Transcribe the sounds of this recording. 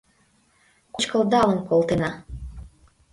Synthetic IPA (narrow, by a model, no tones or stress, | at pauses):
kut͡ɕkɤ̆lˠd̪ɑlə̆nkolˠt̪enɑ